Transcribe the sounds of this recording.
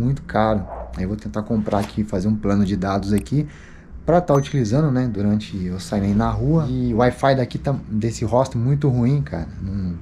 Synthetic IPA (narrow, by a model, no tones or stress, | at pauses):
mũj̃t̪ʊ̥kʰaɾʊaiewvot̪ẽnt̪akõmpɾʔaakʰifazeɾũplɐ̃nʊd͡ʒɪd̪ad̪ʊzaki | pɾɐt̪aʊt͡ʃilizɐ̃nd̪ʊnɛd̪uɾɐ̃nt͡ʃɪewsainainɐɦuɐɪʊajfajd̪akit̪ad̪esɪɦɔst̪ɪmũj̃t̪ʊɦuĩkʰa̰ɾɐnɐ̃w̃